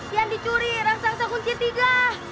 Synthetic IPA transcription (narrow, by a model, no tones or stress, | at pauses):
ijandit͡ʃuɾiɾaŋsaŋsakuɲt͡ʃit̪iɡa